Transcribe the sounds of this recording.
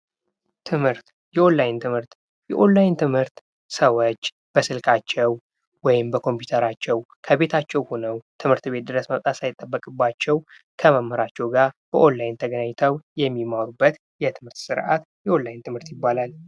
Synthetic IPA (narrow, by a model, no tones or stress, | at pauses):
t̪ʰɨmhɨɾt̪ | jɛʔo̞lːajɪnt̪ʰɨmhɨɾt̪ | jɛʔo̞lːajɪnt̪ʰɨmhɨɾt̪ | səwot͡ʃː | b̥əsɨlkʼat͡ʃːɛw | wɔjɪmbəkʰo̞mpjut̪ʰəɾat͡ʃːɛw | kʰəβe̞t̪ʰat͡ʃːɛwho̞nəwt̪ʰɨmhɨɾt̪be̞t̪̚d̪ɨɾəsməβt̪ʼasajɪt̪ʼːəbːəkʼɨbːat͡ʃːɛw | kʰəməmːəɾat͡ʃːɛwɡaɾb̥əʔo̞llajnt̪ʰəɡənaɲt̪ʰəwjɛmːimawɾubːət̪ | jɛt̪ʰɨmhɨɾt̪sɨɾʔa̰t̪ | jɛʔo̞lːajnt̪ʰɨmhɨɾt̪jɪbːalal